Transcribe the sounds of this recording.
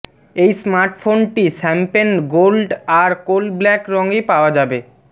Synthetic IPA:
ejsmaɾʈfonʈiʃɛmpenɡolɖaɾkolblɛkɾɔŋɡipaoad͡ʑabe

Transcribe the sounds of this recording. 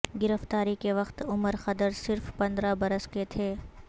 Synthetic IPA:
ɡɪɾəft̪aːɾikeʋɐxt̪ʊməɾxɐd̪əɾsɪɾfpɐ̃nd̪ɾabɐɾəsket̪ʰeː

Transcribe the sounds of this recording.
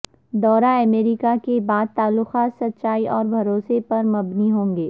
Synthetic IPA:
d̪ɔːɾaɐmeːɾɪkakebaːd̪̚t̪aːlːʊxaːt̪sɐt̪ːʃaːiʔɔːɾbʱɐɾoːsepɐɾmɐbniɦõːŋɡeː

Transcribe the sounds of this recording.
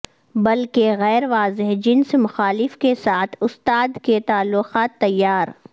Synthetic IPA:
bɐlkeɣɛːɾʋaːzɪɦd͡ʒɪnsmʊxaːlɪfkesaːt̪ʰʊst̪aːd̪ket̪aːlːʊqaːt̪ːɐjːaːɾ

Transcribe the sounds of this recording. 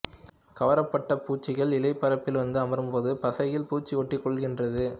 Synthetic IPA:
kɐʋɐɾɐpːɐʈːɐpuːt͡ʃːɪɣɐɭɪlɐɪpːɐɾɐpːɪlʋɐnd̪ɯɐmɐɾɯmpoːðɯpɐsɐjɪlpuːt͡ʃːiʋɔʈːɪkːɔɭɣɪndrɐðɯ

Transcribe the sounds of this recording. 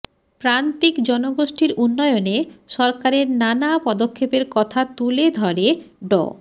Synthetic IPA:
pɾant̪ikd͡ʑɔnoɡoʃʈiɾunːɔeoneʃɔɾkaɾeɾnanapɔd̪okʰːepeɾkɔt̪ʰat̪uled̪ʱɔɾe | ɖɔ̰

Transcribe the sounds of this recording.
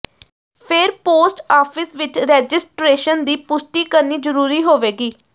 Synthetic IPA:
pʰɪɾpoːsʈaːpʰɪsʋɪt͡ʃɾɛːd͡ʒɪsʈɾeːʃənd̪iːpʊsʈiːkəɾniːzəɾuːɾiːɦoːʋeːɡiː

